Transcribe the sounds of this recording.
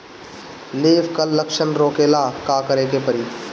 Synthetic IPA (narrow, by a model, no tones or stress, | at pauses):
leːfkɐlːəkʃənɾoːkeːlaːkaːkəɾeːkepəɾiː